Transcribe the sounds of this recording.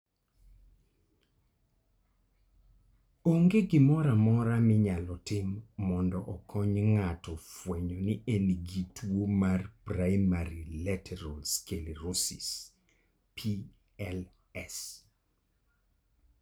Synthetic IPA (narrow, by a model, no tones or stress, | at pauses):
oŋɡeɡɪmɔɾamɔɾamɪɲalɔtɪmːɔndɔʔɔkʰɔɲŋatɔfweɲɔniʔeniɡitwomarpraɪmaɾilɛtʰɛɾɔlskelirosḭs | pʰi | ɛl | ɛs